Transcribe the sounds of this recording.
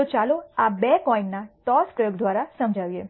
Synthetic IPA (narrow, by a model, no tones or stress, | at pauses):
ot͡ʃaloabekɔinnaʈɔskɾəɡd̪ʋaɾasəmd͡ʒʱaʋjḛ